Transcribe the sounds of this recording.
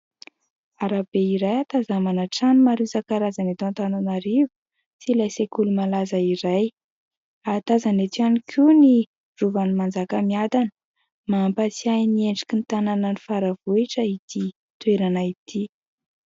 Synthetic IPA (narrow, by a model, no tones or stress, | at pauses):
aɾabeiɾajat̪azamanaʈ͡ʂanimaɾizakaɾazanet̪uant̪ananaɾivu̥ | silajsekulumalazaiɾaj | at̪azanet̪ianikʰuni | ruvanimand͡zakəmiad̪anə | maːmpat͡siajnieɳɖ͡ʐi̥kint̪anananifaɾavuiʈ͡ʂəit̪i | t̪weɾanait̪ʰi